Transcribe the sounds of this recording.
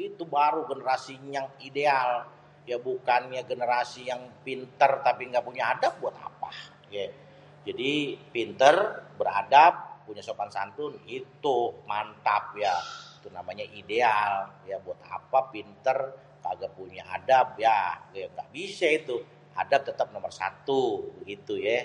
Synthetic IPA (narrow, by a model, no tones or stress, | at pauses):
it̪ubaɾuɡənəɾasiɲaŋideal | jabukanjaɡənəɾasijaŋpint̪ərt̪apiŋɡaʔpuɲaadap̚buat̪a̰pa | ja | d͡ʒadipint̪ərbəɾa̰dap̚ːuɲasopansant̪ʊnit̪umant̪ap̚jait̪unamaɲaʔidealjabuat̪̚a̰papint̪ər | kaɡaʔpuɲaa̰dap̚jaŋɡa̰ʔbisait̪u | a̰dap̚t̪ət̪əp̚nomərsa̰t̪ubəɡit̪ujɛ